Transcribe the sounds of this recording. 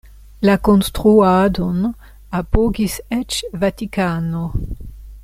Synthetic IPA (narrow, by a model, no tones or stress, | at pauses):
lakonst̪χuad̪on | apoɡisɛt͡ʃvat̪ikano